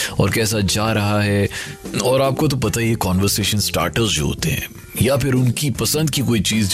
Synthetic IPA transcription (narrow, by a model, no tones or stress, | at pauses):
ɔ̰ːɾkɛːs̬ad͡ʒaːɾɐɦaɦɛ | ɔːɾaːp̚kot̪̬opɐt̪aɦiekɔːnʋəɾseːʃənsʈa̰ːɾʈəɾsd͡ʒo̰ɦo̰ːt̪ḛɦɛ̰̃ː | japʰɪɾʊnkipɐsə̃nd̪̚kikoːit͡ʃiːz